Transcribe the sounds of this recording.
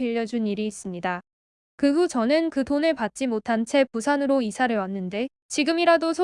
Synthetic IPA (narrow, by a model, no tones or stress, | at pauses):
iʎːʌd͡ʑuniɾiːs͈ɯmɲida | kɯɸut͡ɕʌnɯnkɯdonɯɭpat̚t͡ɕ͈imotʰant͡ɕʰe̞pusʰanɯɾoisʰaɾɯɭwanːɯnde̞ | t͡ɕiɡɯmiɾadosʰo